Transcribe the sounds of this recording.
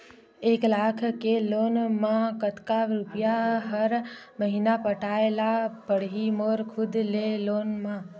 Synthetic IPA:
eklakʰkelonmakət̪kaɾupijaɦəɾ | məɦinapəʈaelapəɽɦimoɾkʰud̪lelonma

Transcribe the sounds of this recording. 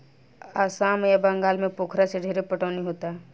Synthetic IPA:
aːsaːmjabəŋɡaːlmẽpoːkʰɾaseɖʱeɾepəʈaːniɦoːt̪aɦɛ

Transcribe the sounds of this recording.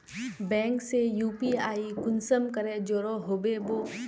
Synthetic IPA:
bɛ̃ːŋksejuːpiaːikʊnsəmkəɾed͡ʒoːɾoɦoːbeboː

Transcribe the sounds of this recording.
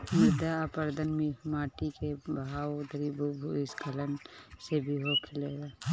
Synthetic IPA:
mɪd̪ʱapəɾd̪ənmimaːʈikebaːwd̪əɾibubʱuɪskələnsebʱiɦokʰɪleːɡaː

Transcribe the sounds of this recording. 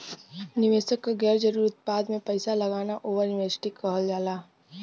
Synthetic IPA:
nɪʋeːsəkːaɡɛːɾd͡ʒɐɾuːɾʊt̪̚paːd̪mẽpɐɪsalɐɡaːnaʔoːʋəɾnɪʋeːsɪ̥ʈikəɦəld͡ʒaːlaː

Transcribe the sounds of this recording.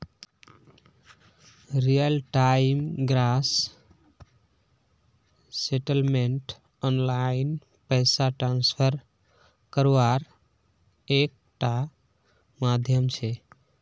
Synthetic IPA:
ɾijəlʈaimɡɾas | seʈəlmeɳʈ | ɔnlain | pəjsaʈɾanspʰəɾ | kəɾʋaɾ | ek̚ʈa | mad̪ʱjəmt͡ʃʰe

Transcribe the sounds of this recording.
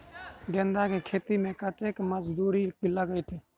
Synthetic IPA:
ɡẽːnd̪akekʰeːt̪imẽkəʈeːkməd͡ʒd̪uːɾikilaɡəit̪ʰiː

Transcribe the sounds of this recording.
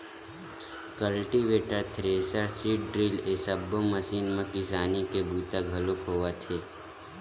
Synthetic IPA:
kəlʈiʋeːʈəɾt̪ʰɾeːsəɾsiʈɖɾilesəbːoməsiːnmãkɪsaːnikebuːt̪aɡʱəlokoːʋat̪ʰe

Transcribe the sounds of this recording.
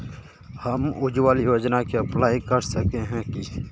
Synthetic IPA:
hɐmʊd͡ʒwaːljoːd͡ʒnakeɐplaːikəɾsəkeɦɛ̃ki

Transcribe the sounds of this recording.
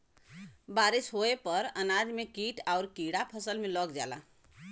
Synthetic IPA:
baɾisɦoepəɾənad͡ʒmekiʈaʊɾkiɽapʰəsəlmelɔɡd͡ʒa̰la̰

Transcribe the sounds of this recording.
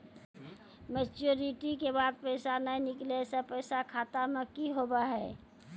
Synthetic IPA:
met͡ʃuɾiʈikebaːd̪̚pəɪsanəinɪklesəpəjsakʰaːt̪amekiɦobaɦɛː

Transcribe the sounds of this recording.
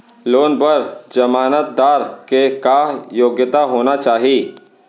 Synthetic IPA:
loːnbəɾd͡ʒəmaːnət̪̚d̪aːɾkekajoːɡjət̪aɦoːnat͡ʃaːɦiː

